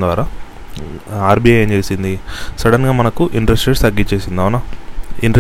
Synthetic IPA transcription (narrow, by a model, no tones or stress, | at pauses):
d̪ʋaːɾaː | aːɾbiɐnt͡ʃe̞ːsind̪isɐɽɐnɡaːmɐnɐkuʔiɳɖɾesʈɾeːʈst̪ɐɡːit͡ʃe̞ːsind̪aːʋɐnɐiɳɖe